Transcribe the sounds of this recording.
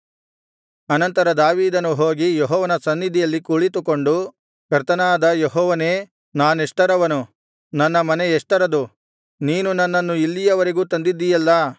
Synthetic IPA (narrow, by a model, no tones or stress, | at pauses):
ɐnɐnt̪ɐɾɐd̪aːʋiːd̪ɐnːuɦo̞ːɡijɔɦɔːʋɐnɐsɐnːid̪ʱijɐlːikuːɭit̪̬ukoɳɖu | kɐɾt̪ɐnaːd̪ɐjeɦɔːʋɐne̞ː | naːneʂʈɐɾɐʋɐnu | nɐnːɐmɐneɛʂʈɐɾɐd̪u | niːnunɐnːɐnːuilːijɐʋɐɾiɡuːt̪ɐnd̪id̪ːijɐlːɐ